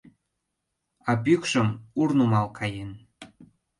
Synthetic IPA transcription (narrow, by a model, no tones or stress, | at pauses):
ɑpykʃə̆murnumɑlkʰɑjen